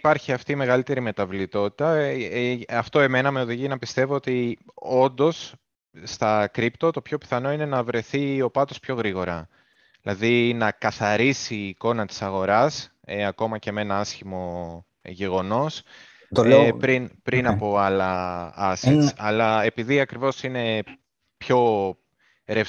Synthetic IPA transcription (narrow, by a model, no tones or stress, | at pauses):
pɐɾçiɐft̪iːme̞ɣɐlit̪e̞ɾime̞t̪ɐvlit̪o̞t̪i̥t̪ɐ | ɐft̪o̞e̞me̞nɐme̞o̞ðiʝinɐpist̪e̞voot̪io̞nd̪o̞s | st̪ɐkɾipt̪o̞t̪o̞pço̞pi̥θɐno̞ine̞nɐvɾe̞θio̞pɐt̪o̞spço̞ɣɾiɣo̞ɾɐ | ilɐðinɐkɐθɐɾisiːko̞nɐt̪i̥sɐɣo̞ɾɐs | eɐko̞mɐce̞me̞nɐɐsçimo̞ | ʝe̞ɣo̞no̞s | t̪opɾinpɾinɐpo̞ɐlɐɐsisɐlɐe̞piðiɐkɾivo̞sine̞ | pço̞ | ɾef